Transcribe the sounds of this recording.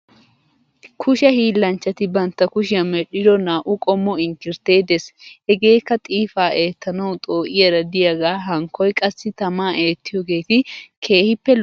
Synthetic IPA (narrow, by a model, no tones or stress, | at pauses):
kʰʊʃɐhiːlːɐnt͡ʃːɐt̪ɪbɐnt̪ːɐkʊʃɪɐmɛɗɪd̪ɔnaːʔʊkʼɔmːɔɪŋkɪɾt̪e̞ːd̪ɛshɛɡe̞ːkːɐt̪ʼiːfaːʔe̞ːt̪ːɐnɐwt̪ʼo̞ːʔɪjɐɾɐd̪ɪjɐɡaːɦɐŋkʰːɔjkʼɐsːɪt̪ɐmaːʔe̞ːt̪ːɪjoɡe̞ːt̪ɪkʰe̞ːhɪpːɛl